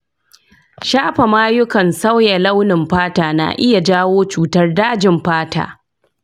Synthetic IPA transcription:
ʃaː˦ɸɐ˨maː˦jʊ˦kɐ˨nsa˦wja˨la˦wnɪ˨mɸaː˦taː˨na̰˨ʔɪ˦ja˨d͡ʒaː˦woː˦t͡ʃuː˨tɐ˦rdaː˦d͡ʒɪ˨mɸaː˦ta̰ː˨

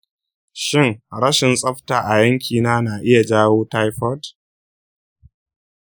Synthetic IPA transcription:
ʃɪ˦ŋɽɐ˦ʃɪ˨nsʼɐ˦ɸtaː˨ʔa˨jɐ˦ŋkʲiː˨naː˦naː˨ʔɪ˦ja˨d͡ʒaː˦woː˦ta˦jɸɔ˦t

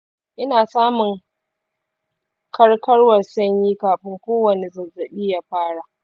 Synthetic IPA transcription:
ʔɪ˦naː˨saː˦mʊ˨ŋ | kʰɐ˦rkɐ˦rwɐ˨rsɐ˦ɲjiː˦kaː˨ɸɪ˦ŋkʷoː˦wɐ˨ne˨zɐ˨zɐ˨ɗiː˦ja˦ɸaː˦ɽa˨ʔ

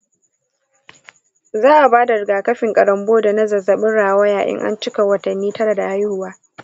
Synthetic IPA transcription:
zaː˦ʔa˨baː˦da˨ɾɪ˨ɡaː˨kɐ˦ɸɪ˨ŋkʼɐ˨ɽɐ˨mboː˦da˨nɐ˦zɐ˨zɐ˨ɓɪ˦ɽaː˨waː˦jaː˨ʔʲɪ̰˦ŋʔa̰˦nt͡ʃɪ˦ka˨wɐ˨tɐ˨nːiː˦tɐ˦ɽa˨da˨ʔa˦jhʊ˨waː˦

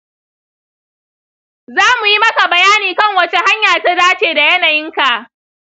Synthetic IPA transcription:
zaː˦mu˨ji˦mɐ˦ka˨bɐ˨jaː˦niː˨kɐ˦˨ŋwɐ˨t͡ʃe˦ha˦ɲjaː˨ta˦daː˦t͡ʃeː˨da˨jɐ˦na˨jɪ˦ŋka˨ʔ

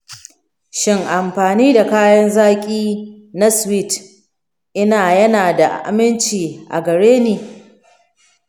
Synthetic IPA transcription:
ʃɪ˦ŋʔa˨mɸaː˨niː˦da˨kaː˦jɐ˦nzaː˦kʲʼiː˦ | na˦swi˦˨t | ʔɪ˦naː˨jɐ˦naː˨da˨ʔa̰˨ʔa̰˨mɪ˦nt͡ʃiː˨ʔa̰˨ɡɐ˨ɽeː˦neː˨

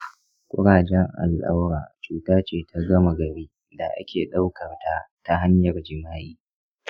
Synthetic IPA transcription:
kʷʼʊ˦ɽaː˨d͡ʒɛ˦ŋʔa̰˨lʔa̰˦wɽaː˨t͡ʃuː˦taː˦t͡ʃeː˦˨tʰa˦ɡɐ˦ma˨ɡɐ˨ɾiː˦ | da˨ʔa̰˦kʲeː˨ɗa˦wkɐ˨rta˦ta˦ɦa˦ɲjɐ˨rd͡ʒɪ˨maː˦ʔiː˦

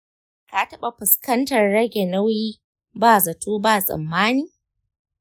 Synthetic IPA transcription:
kaː˨˦tɐ˦ɓa˨ɸʊ˨skɐ˦ntɐ˨rːɐ˦ɡʲe˨nɐ˦wjiː˦ | baː˦˨zɐ˨tʰuː˦baː˦˨sʼɐ̰˨mːaː˦niː˦

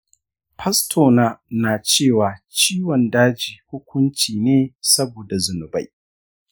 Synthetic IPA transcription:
pʰɐ˦stʰoː˨naː˦naː˨t͡ʃeː˦˨waː˨t͡ʃiː˦wɔ˨ndaː˦d͡ʒiː˨hʊ˦kʷʰʊ˦nt͡ʃiː˨neː˦sɐ˦boː˨da˨zʊ˨nʊ˨ba˦j

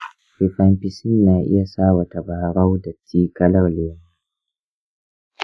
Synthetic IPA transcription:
fi˨ɸa˦mpi˦sɪ˦nːaː˨ʔɪ̰˦ja˨saː˦˨wa˨ta˨baː˨ɾa˦wdɐ˨t͡sʼiː˦kɐ˦la˦˨leː˨˦ma˦

